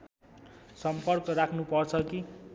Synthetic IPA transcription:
sʌmpʌrkʌrakʰnupʌrt͡sʰʌki

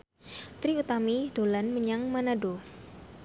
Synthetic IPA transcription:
t̪ɾiut̪amid̥olanməɲaŋmanado

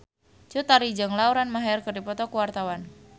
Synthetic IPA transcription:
t͡ʃut̪aɾid͡ʒɨŋlauɾanmaɦɛrkərdipɔt̪ɔkuwart̪awan

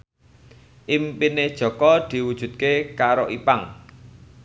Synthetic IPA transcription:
ʔimpined̥ʒ̥ɔ̤kɔd̪̥i̤wud̥ʒ̥ṳt̪̚kekaɾoʔipaŋ

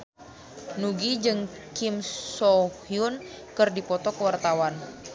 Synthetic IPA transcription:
nuɡid͡ʒɨŋ | kimsɔhiun | kɨrdipɔt̪ɔkəwart̪awan

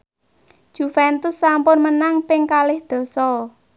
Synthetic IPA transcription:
ʒ̥ṳfɛnt̪ʊsːampʊnmənaŋpɪŋkalɪhd̪̥ɔ̤sɔ

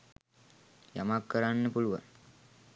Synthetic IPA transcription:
jamakːəɾanːəpuluʋa̰ŋ

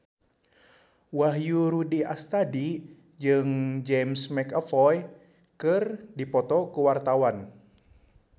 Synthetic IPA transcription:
waɦjuɾudiast̪adi | d͡ʒɨŋd͡ʒɛmsmɛkəfɔj | kɨrdipɔt̪ɔkuwart̪awan

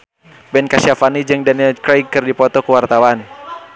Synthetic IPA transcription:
bɛnkasiafanid͡ʒɨŋdanilkɾajkɨrdipɔt̪ɔkəwart̪awan

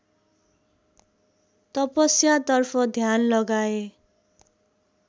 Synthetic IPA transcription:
t̪ʌpʌsjat̪ʌrpʰʌd̪ʱjanlʌɡae

